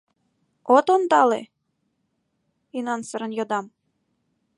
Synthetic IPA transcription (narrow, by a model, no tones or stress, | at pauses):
ot̪ond̪ɑlḛ | inɑnsəɾə̆njod̪ɑm